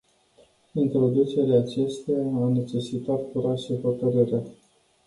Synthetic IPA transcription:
int̪ɾo̞d̪ut͡ʃe̞ɾaːt͡ʃe̞st̪eaawne̞t͡ʃe̞sit̪at̪̚kuɾaʃefot̪əɾiɾe

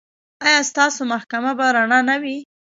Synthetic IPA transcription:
ɑjɑst̪ɑsomahkamabaɾaɳɑnawi

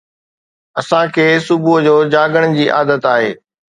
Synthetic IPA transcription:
ɐsãkʰeːsʊbʱuɦd͡ʑoːd͡ʑaːɡəɽ̃̆d͡ʑiːʔa̰ːd̪ət̪aːɦḛː

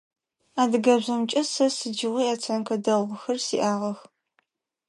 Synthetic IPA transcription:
aːdɨɡɐbʑɐmt͡ʃʼɐsɐsɨd͡ʒɪʁʷiːaːt͡sʰankʰɐdɐlʁʷʊxɐrsiːʔaːʁɐx

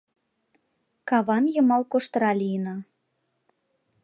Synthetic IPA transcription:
kɑβɑnjɤ̆mɑlˠkoʃt̪ɾɑlʲijnɑ

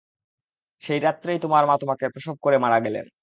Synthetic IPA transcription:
ʃejɾat̪ːɾejt̪omaɾmat̪omakepɾoʃob̚koɾemaɽaɡɛlḛn

